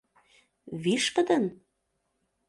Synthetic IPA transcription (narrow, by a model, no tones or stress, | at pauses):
βiʃpə̆d̪ə̆n